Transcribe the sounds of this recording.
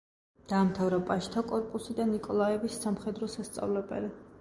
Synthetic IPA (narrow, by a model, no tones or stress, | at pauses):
d̪̥aːmt̪ʰavɾɔpʼaʃt̪ʰakʼɔɾpʼusid̪anikʼɔlˠaɛvisːamχɛd̪ɾɔsast̪sʼa̰vlɛbɛ̰li